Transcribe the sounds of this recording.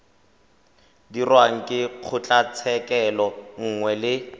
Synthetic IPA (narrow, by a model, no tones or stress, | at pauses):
dirwaŋ̩kʼɪq͡χʰʊt͡ɬʼat͡sʰɛkɛlɔŋ̩ŋwɛlɪ